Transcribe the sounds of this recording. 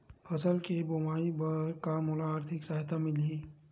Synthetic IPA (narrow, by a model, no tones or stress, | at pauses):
pʰɐsəlkebomaːibəɾkamolaːɾt̪ʰɪksaːɦɪt̪amɪlɦiː